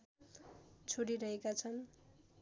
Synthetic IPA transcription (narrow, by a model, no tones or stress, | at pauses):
t͡sʰoɽiɾʌɦekat͡sʰʌn